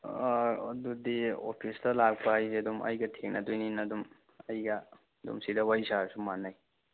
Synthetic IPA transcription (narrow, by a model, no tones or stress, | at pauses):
ɐdudio̰pʰistɐlak̚paajseɐdumʔɐ̰jɡɐtʰeŋnɐdujninɐdum | ɐjɡɐ | dṵmsidɐwajsasumanːaj